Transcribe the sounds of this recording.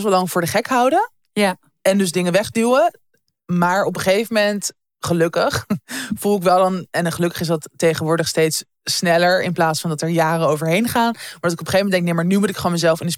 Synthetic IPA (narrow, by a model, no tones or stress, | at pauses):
sʋɛlɑŋvʊːɹdəχɛkɦʌwdə | ɛndɵzdɪŋəʋɛχdywə | maːɹɔpəχejfəmɛnt | χəlɵkəχfulˠɪk̬ʋɛlˠdɑnɛnχəlɵkəχɪs̬dɑtːejχənʋʊːɹdəχstejtsː | nɛləɹɪ̰nplaːtsfɑndɑtɛɹjaːrənowvəɹɦejnχaːnmaɹdɑtɪkɔpə̥χejvmɛndɛŋk̚nejmaːɹnymutɪkχəoːnmɛzɛlˠfɪns